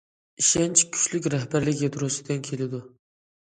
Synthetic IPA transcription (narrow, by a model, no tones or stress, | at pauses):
iʃant͡ʃʰɪ̥kʲʰʊ̥ʃlɪkʲɾahbæɾlɪkʲat̪ɾosɪd̪ankʲʰelɪd̪ʊ